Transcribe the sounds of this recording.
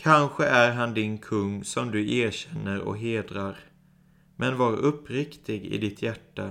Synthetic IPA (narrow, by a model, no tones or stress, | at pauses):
kʰanɧəæɾɦand̪ɪnkʰɵŋːsɔmd̪ɵeːɾɕɛnːəɾɔ̰ɦeːd̪ɾaɾ | mʔɛnvɑːɾʔɵpːɾɪkt̪ɪɡɪ̰d̪ɪt̪ʰjæʈːa